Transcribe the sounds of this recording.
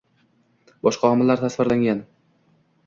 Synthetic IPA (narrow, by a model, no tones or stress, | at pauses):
bɒʃqʰɑɒmɪlːaɾt̪ʰasvɪɾlaŋɡʲan